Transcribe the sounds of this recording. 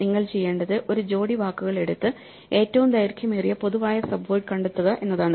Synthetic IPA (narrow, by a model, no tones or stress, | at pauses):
niŋːɐɭt͡ɕe̞jːe̞ːɳɖɐðɨʔo̞ɾud͡ʑo̞ːɽiʋaːkːuɣɐɭe̞ɽut̪ːɨ | e̞ːtːɐʋumd̪ɐjɾkʰjɐmeːrijɐpo̞ðuʋaːjɐsɐbʋojʈkɐɳɖet̪ːuɣɐʔe̞nːɐðaːɳɨ